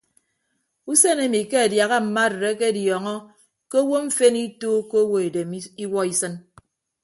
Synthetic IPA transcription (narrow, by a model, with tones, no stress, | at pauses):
u˦se˦ne˦mi˨ke˦a˨dja˨ɣa˦m̩˨ma˦˨ɾe˨ɾe˦ke˦djɔ˨ŋɔ˦ | ke˦o˦wo˦ɱ̩˦fe˦ni˦toː˦ko˦o˦wo˦e˨de˨m˦i˦wɔ˦i˦sɨ˦n